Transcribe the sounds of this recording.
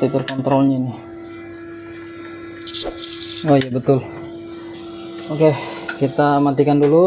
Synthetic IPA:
t̪it̪ərkɔnt̪ɾɔlɲanɪh | ojabət̪ʊl | okekit̪amant̪ikandulu

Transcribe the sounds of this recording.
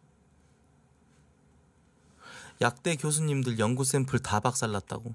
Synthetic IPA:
jak̚t͈e̞kjos̬ʰuɲːimdɯɭjʌŋɡus̬͈ʰe̞mpʰɯɭtabak̚s͈aɭːat̚t͈a̰ɡo

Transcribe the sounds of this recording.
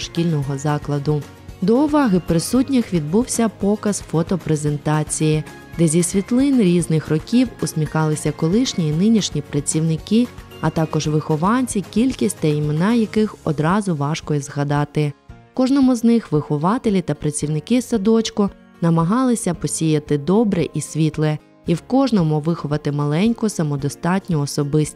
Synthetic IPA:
ʃkʲilʲnɔɦɔzɑklˠɐd̪ʊ | d̪ɔʊʋɑɦɪpɾɪsutʲnʲɪxʋʲid̪̚buwsʲɐpɔkɐz̥fɔt̪ɔpɾezent̪ɑt͡sʲijɪ | d̪ɛzʲisʲʋʲit̪lˠɪnɾʲiznɪxrɔkʲiwʊsʲmʲixɑlˠɪsʲɐkɔlˠɪʃnʲiːnɪnʲiʃnʲipɾɐt͡sʲiwnɪkɪ | ɐt̪ɑkɔʒʋɪxɔʋɑnʲt͡sʲikʲilʲkʲisʲtʲt̪ɐimenɑjɐkɪxɔd̪ɾɑzʊʋɑʃkɔjɛzɣɐd̪ɑt̪ɪ | kɔʒnɔmʊznɪxʋɪxʊʋɑt̪elʲit̪ɐpɾɐt͡sʲiwnɪkɪsɐd̪ɔt͡ʃkʊ | nɐmɐɦɑlˠɪsʲɐpɔsʲijɐt̪ɪd̪ɔbɾɛʔisʲʋʲit̪lˠɛ | iwkɔʒnɔmʊʋɪxʊʋɐt̪ɪmɐlˠɛnʲkʊsɐmɔd̪ɔst̪ɑtʲnʲɔɔsɔbɪsʲt̪

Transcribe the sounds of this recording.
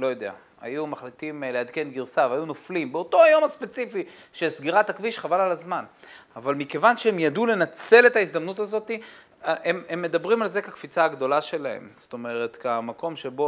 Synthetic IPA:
lo̞jo̞d̪e̞a̰ | ha̰jumaχlit̪imlead̪ke̞nɡiʁsaveajunoflimbeo̞t̪o̞ajo̞maspet͡sifi | ʃesɡiʁat̪akviʃχavalalazmanavalmike̞vanʃeemjadule̞nat͡se̞le̞t̪aizd̪amnut̪azo̞t̪i | ememːe̞d̪abʁimalzekekfit͡saːɡd̪o̞laʃe̞lahe̞̰mz̥o̥t̪o̞me̞ʁe̞t̪kamako̞mʃebo

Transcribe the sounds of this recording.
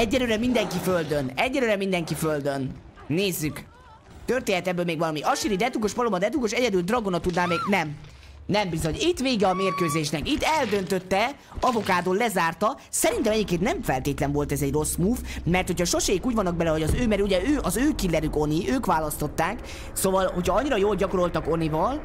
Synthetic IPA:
ɛɟːɛløːɾɛmind̪ɛŋkiføld̪ønɛɟːɛløːɾɛmind̪ɛŋkiføld̪ø̞nː | eːzːyk | t̪ørt̪eːnɛt̪ɛbːøːlmeːɡvɒlɒmiʔɒʃiɾid̪ɛt̪ukoʃpɒlomɒd̪ɛt̪ukoʃɛɟɛd̪yld̪rɒɡonɒt̪ud̪naːmeːɡnɛm | nɛmbizo̞ɲit̪ʋeːɡɛɒmeːrkøːzeːʃnɛkit̪ːɛld̪ø̞nt̪øt̪ːɛ | ɒvo̞kaːd̪olɛzaːrt̪ɒsɛɾint̪ɛmɛɟikːeːt̪nɛɱfɛlt̪eːt̪lɛɱvo̞lt̪ɛzɛɟro̞smuːvmɛrt̪ho̞chɒʃo̞ʃeikuːɟvɒnːɒɡ̚bɛlɛɦo̞ɟɒzøːmɛɾuɟɛøːʔɒzøːkilːɛɾyko̞niʔøːkʋaːlɒst̪o̞t̪ːaːk | sovɒlho̞cʰhɒɒɲːiɾɒjoːlɟɒko̞ɾo̞lt̪ɒko̞nivɒl

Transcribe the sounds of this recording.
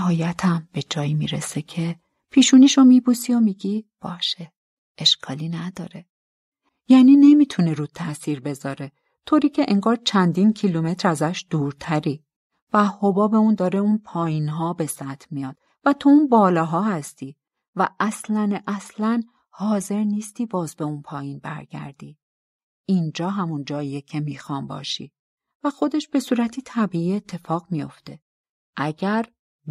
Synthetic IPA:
æɦɒːjæt̪ʰæmb̥e̞d͡ʒɒːjimḭɾesecʰe | pʰiːʃuːniːʃomibusiomiːɟib̥ɒːʃe | eʃkʰɒːliːnæd̪ɒ̰ːɾe | jæːniːne̞miːt̪ʰuneɾuːt̪ʰæsiɾbe̞zɒːɾe̞ | t̪ʰoːɾiːcʰe̞ʔeŋɡɒːɾt͡ʃʰænd̪incʰilume̞t̪ɾæzæʃd̪̥uːɾt̪ʰæɾi | væhobɒːbe̞und̪ɒːɾeunpʰɒːjiːnɦɒːbe̞sæt̪ʰmijɒːd̪̥ | væt̪ʰounbɒːlɒːɦɒːhæst̪iː | væʔæslænʔæslæn | hɒːze̞ɾniːst̪iːbɒːzbe̞unpʰɒːjiːnbæ̰ɾɟæ̰ɾd̪̥iː | ind͡ʒɒːɦæmund͡ʒɒːijecʰe̞miːxɒːmbɒ̰ːʃḭ | væxo̞d̪e̞ʃb̥e̞suːɾæt̪ʰiːt̪ʰæbiːiːe̞t̪ʰːe̞fɒːɣmijo̞̰ft̪e̞ | ʔæɟæɾ

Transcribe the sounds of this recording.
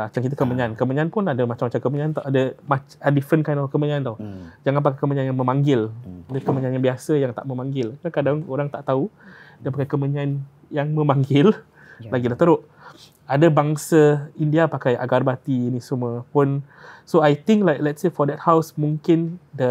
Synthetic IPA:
at͡ʃamkit̪əkəməɲankəməɲãanpʊnadəmat͡ʃamːat͡ʃamkəməɲaant̪ɔʔadəmat͡ʃadifənkajnɔfkəməɲãant̪ɔhd͡ʒaŋanp̬akajkəməɲanjaŋmə̃maŋɡɪladəkəməɲanjaŋbiasəjaŋt̪a̰ʔmə̃mãŋɡɪlkənakadaŋoɾaŋt̪aʔt̪audiəpakajkəməɲan | jaŋmə̃mãŋɡɪl | laɡilaht̪əɾʊʔ | adəbaŋsəindiapakaja̰ɡarbat̪iːnisuməpʊn | soajt̪ɪ̃ŋklajklɛtsefɔdɛt̚hawsmuŋkɪndə

